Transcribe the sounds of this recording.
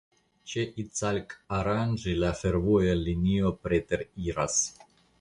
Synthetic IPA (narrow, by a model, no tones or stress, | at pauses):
t͡ʃeʔit͡salkaɾand͡ʒilafe̞ɾvojaliniopɾet̪eɾiɾas